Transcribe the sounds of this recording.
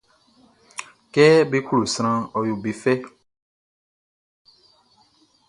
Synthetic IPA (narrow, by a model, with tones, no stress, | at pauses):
kɛ˦bi˦ku˦ɾu˨sɾ̃ã˦˧ɔ˨ju˨bi˨fɛ˦